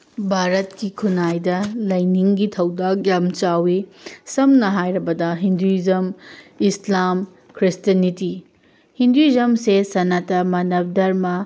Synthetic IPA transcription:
bʱaɾɐtkikʰunajdɐlɐjniŋɡitʰɐwdak̚jamt͡ʃawisɐmnɐɦajɾɐbɐdɐɦinduizɐmislam | kɾistɐniti | hinduizɐmsesɐnatɐmɐnɐp̚dɐɾmɐ

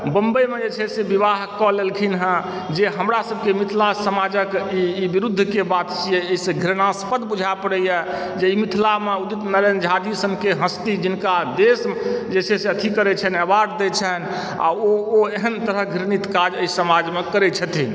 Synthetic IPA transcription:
bəmbəjmed͡ʒet͡ʃʰɛsebiβaɦkɔlelkʰinɦə̃ | d͡ʒeɦəmɾasəb̚kemit̪ʰlasəmad͡ʒəkiːbiɾud̪ʱːkebat̪t͡ʃijɛəisẽɡʱiɾnaspəd̪ʱbud͡ʒʱapəɽɛjə | d͡ʒeimit̪ʰilameud̪it̪nəɾend͡ʒʱad̪isənkeɦə̃st̪id͡ʒinkad̪esd͡ʒet͡ʃʰɛseət̪ʰikəɾɛt͡ʃʰənəbaɖd̪et͡ʃʰɛn | a̰ooeɦənt̪əɾəɦɡʱiɾnit̪kad͡ʒəisəmad͡ʒmekəɾɛt͡ʃʰət̪ʰin

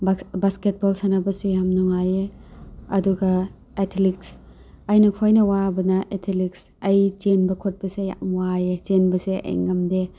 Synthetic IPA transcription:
basket̚bolsanabɐsujamnuŋaje | ɐduɡɐ | etʰliks | ɐjnɐkʰojnɐwabɐnɐʔetʰiliks | ɐjd͡ʒenbɐkʰot̚bɐseja̰mwajed͡ʒenbɐsḛɐ̰jŋɐmde

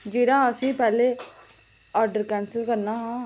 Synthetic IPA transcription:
d͡ʒeːɾãːəsĩːpɛːleː | ɔːɾɖəɾkɛːnsəlkəɾnaːɦãː

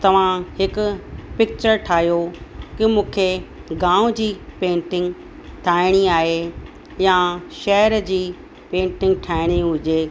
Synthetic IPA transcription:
t̪ɐʋ̤ãɦɪkʊ̆pɪk̚t͡ɕəɾʈʰaːɦjokɪmũːkʰe | ɡãːʊ̃d͡ʑiːpẽːɳʈɪ̃ŋɡ | ʈʰaːɪɽ̃iaːɦe | jaʃɛɦəɾd͡ʑiː | pẽːɳʈɪ̃ŋɡ̚ʈʰaːɪɽ̃iɦʊd͡ʑeː

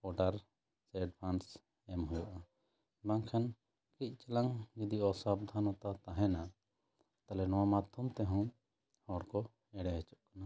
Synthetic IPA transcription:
ɔʈaɾ | sɛɖbʰans | ɛmɦɔjɔʔa | baŋkʰɛn | kic̚ˀt͡ʃɛlaŋɡid̪iɔsabd̪ʱanɔt̪at̪aɦɛ̃na | t̪alɛnɔwamat̪ʰumt̪ɛɦɔ̃ | hɔɽkɔ | ɛɽɛɦɛt͡ʃɔʔkana

